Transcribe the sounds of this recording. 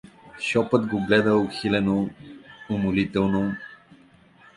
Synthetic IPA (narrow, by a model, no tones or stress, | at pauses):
ʃɔpət̪ɡoɡlɛd̪əʊxilɛno | ʊmolit̪ɛlˠno